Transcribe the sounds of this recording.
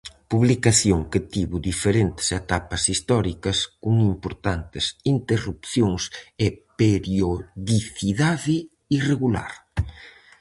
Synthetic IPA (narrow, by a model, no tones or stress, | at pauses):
puβlikaθjoŋkɪt̪iβʊd̪ifeɾent̪ɪ̥set̪apɐsist̪ɔɾikɐskuŋimpoɾt̪ant̪ɪsint̪erupθjoŋsepeɾjoðiθiðaðɪ | ireɣula̰ɾ